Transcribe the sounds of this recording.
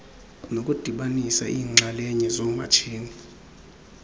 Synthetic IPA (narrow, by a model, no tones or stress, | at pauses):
nokʼud̥ʱiɓanisaʔiːŋ͡ǁʱalɛɲɛzɔma̰t͡ʃʰiːni